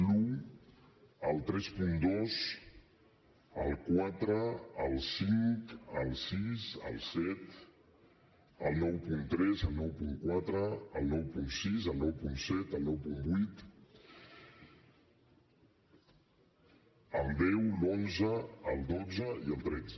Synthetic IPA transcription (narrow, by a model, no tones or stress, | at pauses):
lu | əlˠt̪ɾɛspund̪oz | əlˠkwat̪ɾəəlˠsiŋkəlˠsisə̰lˠsɛt̪ | əlˠnɔwpunt̪ɾɛzəlˠnɔwpuŋkwat̪ɾəːlˠnɔwpunsizəlˠnɔwpunsɛt̪əlˠnɔwpumbit̪ | əlˠd̪ɛwlonzəəlˠd̪od͡zəiəlˠt̪ɾɛd͡zə